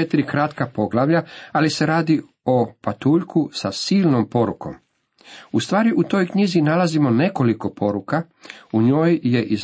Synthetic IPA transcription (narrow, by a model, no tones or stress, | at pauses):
et̪iɾikɾat̪kapo̞ɡlˠaʋʎaalise̞ɾaːd̪i | o̞pat̪uːʎkʰusasiːlno̞mpo̞ɾuko̞̰m | ust̪ʋaːɾiʔut̪o̞ːjkɲizinalazimo̞ne̞ko̞liko̞pʰo̞ɾuka | uɲo̞ːjje̞ʔiz